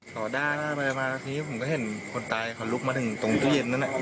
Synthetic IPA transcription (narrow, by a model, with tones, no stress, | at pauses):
t̪ʰɔː˨˩daː˥˩t̪ʰaː˥˩pa˧maː˧t̪ʰi˧niː˦˥pʰo˨˦mkɔ˥˩ɦe˨˩˦nkʰo˧nt̪aː˧jkʰa˧˩lu˦˥k̚maː˧t̪ʰɯ˨˩˦ŋt̪o˧ŋt̪i˧˩˧e˧˩nːa˦˥na˧˩